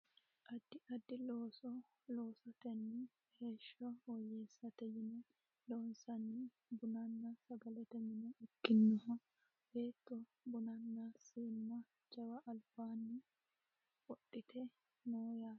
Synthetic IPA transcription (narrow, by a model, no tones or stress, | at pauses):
ʔɐd̪ːɪʔɐd̪ːɪloːsɔ | loːsɐt̪ɛnːɪ | heːʃːɔwɔjːɛːsːɐt̪ɛjɪnɛ | loːnsɐnːɪ | bʊnɐnːɐsɐɡɐlɛt̪ɛmɪnɛʔɪkːɪnːɔɦɐ | beːt̪ːɔ | bʊnɐnːasiːmːɐ | d͡ʒɐwɐʔɐlbaːnːɪ | wɔɗːɪt̪ʰɛ | noːjaː